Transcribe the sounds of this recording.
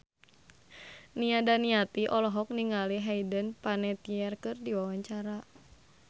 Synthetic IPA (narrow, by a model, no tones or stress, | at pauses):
niadaniat̪iʔɔlɔɦɔk̚niŋaliɦaidənpanɛt̪iɛrkɨrdiwawaɲt͡ʃaɾa